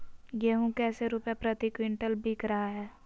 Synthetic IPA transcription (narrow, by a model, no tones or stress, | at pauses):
jeɦũkɛːseɾuːpjapɾət̪ikwɪ̃ɳʈəlbʱiːkɾɐɦaɦɛː